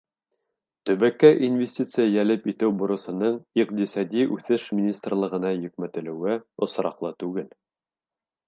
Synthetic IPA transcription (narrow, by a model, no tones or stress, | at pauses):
t̪ɵ̆βækːæʔinvʲɪsʲtʲit̪sɨjajælɘpit̪ɘwbŏɾɤ̆sɤ̆nɤɴiq̚t̪isɑd̪ʲiʔʉθɘʃmʲɪnʲist̪rlˠɤ̆ʁɤ̆nɑjɵ̆k̚mæt̪ɘ̆lɘ̆wɘŏsɾɑqlˠɤt̪ʉɡɘl